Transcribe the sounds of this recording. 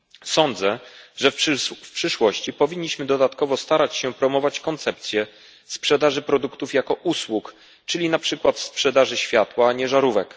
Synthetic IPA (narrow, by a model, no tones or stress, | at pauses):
sɔnd̪zɛʐɛffpʂɘʂwɔɕt͡ɕipɔvʲiɲːiɕmɘd̪ɔd̪at̪kɔvɔst̪aɾat͡ɕɕɛpɾɔmɔvat͡ɕkɔnt̪sɛp̚t̪sʲjɛ | spʂɛd̪aʐɘpɾɔd̪ukt̪ufjakɔʔuswuk | t͡ʂɘlʲinapʂɘkwat̪spʂɛd̪aʐɘɕfʲjat̪waɲɛʐaɾuvɛk